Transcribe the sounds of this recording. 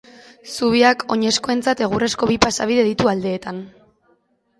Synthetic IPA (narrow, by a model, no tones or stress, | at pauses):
suβ̞iako̞ɲe̞sko̞e̞nt͡sat̪e̞ɣ̞ure̞sko̞βipasaβ̞iðe̞ðit̪uald̪e̞ːt̪an